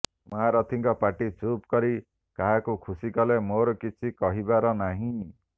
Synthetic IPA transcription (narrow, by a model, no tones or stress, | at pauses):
mɔɦaɾɔt̪ʰiŋkɔpaʈit͡ʃʰupkɔɾi | kaɦakukʰusikɔlemoɾɔkit͡ʃʰikɔɦibaɾɔnaɦĩ